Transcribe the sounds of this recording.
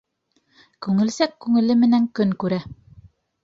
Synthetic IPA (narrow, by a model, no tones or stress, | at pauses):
kʉŋɘ̆lsækːʉŋɘ̆lɘmɘ̆næŋkɵŋkʉɾæ